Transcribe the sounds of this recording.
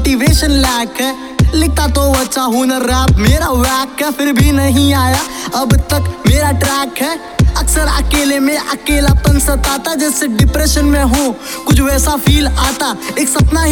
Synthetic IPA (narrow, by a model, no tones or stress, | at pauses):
ʈiʋeːʃənlɛːkɦɛ | lɪk̚t̪at̪oʋətːʃaɦunəɾːaːp̚meːɾaʋɛːkɦɛpʰɪɾbʱinəɦĩaːjaəbt̪əkmeːɾaʈɾɛːkɦɛː | ɐksəɾɐ̰keːlemẽʔɐkeːlap̪ə̃nsət̪aːt̪ad͡ʒɛːseɖɪpɾeːʃənmẽɦũ | kʊt͡ʃʰʋɛːsapʰiːlaːt̪aeːksəpnaɦ